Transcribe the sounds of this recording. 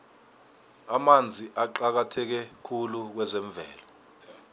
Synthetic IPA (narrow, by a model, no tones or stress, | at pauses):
amand͡zʱiʔaǃak̬atʰɛk̬ɛkʰuluk̬wɛzɛɱb̪vʱɛ̰ːlɔ